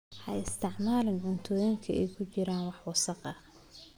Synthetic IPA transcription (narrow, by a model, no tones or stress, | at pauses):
ħɐ̰jɪst̪ʰɪʕmaːlɪnʕʊnt̪ʰɔːjɪŋkʰɐʔɛjkʰʊt͡ʃɪɾaːnwɑħwɑsɑqɐ